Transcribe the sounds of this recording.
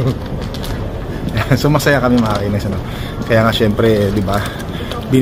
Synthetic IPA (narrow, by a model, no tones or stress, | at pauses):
jasomasajakamimaainaisana | kajaŋasɛmpɾɛdiba | bi